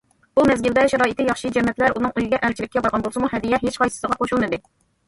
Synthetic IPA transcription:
umɛzɡʲɪld̪ɛʃɛɾɑːit̪ʰɪjɑχʃid͡ʒɛmːɛt̪læɾunɨŋujɡʲɛʔæɾt͡ʃʰiɾɪkʲːɛbɑɾʁɑnbolˠsɨmuhɛd̪ijɛɦet͡ʃqɑjsɨ̥səʁɑqʰoʃulˠmɨd̪ɪ

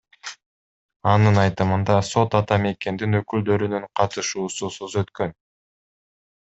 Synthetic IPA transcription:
ɑnɯnɑjt̪ɯmɯnd̪ɑso̞t̪ɑt̪ɑme̞ke̞nd̪inø̞kyld̪ø̞ɾynyɴqʰɑt̪ɯʃuːsusuzø̞t̪kø̞n

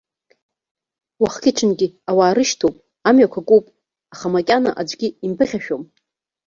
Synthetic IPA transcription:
waχkʲɪʈ͡ʂʰɨnɡʲiawaːɾɨʃtʰowpʼ | amɥakʷʰakʼupʼ | aχamakʲʼana̰ʔad͡ʒʷʼɡʲiimpʰɨχʲaʃᶣom

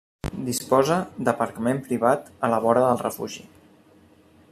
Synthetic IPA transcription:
d̪ispɔzəd̪əpəɾkəmempɾiβ̞at̪ələβ̞ɔɾəðəlˠrəfṵʒḭ

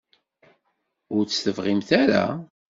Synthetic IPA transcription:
ʊɾt͡sːθəvʁimθaɾa̰

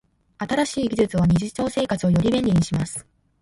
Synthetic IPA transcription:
at̪aɾaɕiːɡʲizɨt͡sɨβ̞aɲ̟iʑit͡ɕo̞ːse̞ːkat͡sɨo̞jo̞ɾʲibẽ̞nʲiɲ̟iɕimasɨ̥

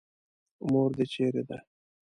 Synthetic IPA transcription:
moɾd̪et͡ʃeɾed̪a

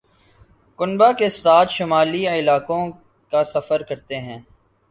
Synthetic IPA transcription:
kʊnbakesaːt̪ʰʃʊmaːliɪlaːkõ | kasɐfəɾkɐɾt̪eɦɛ̃ː

